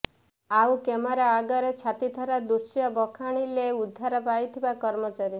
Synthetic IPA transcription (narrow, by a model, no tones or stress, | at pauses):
aukemɔɾaːɡɔɾet͡ʃʰat̪id̪ʱʰɔɾad̪uɾsjɔbɔkʰaɽ̃ileud̪ʱːaɾɔpajt̪ʰibakɔɾmɔt͡ʃaɾi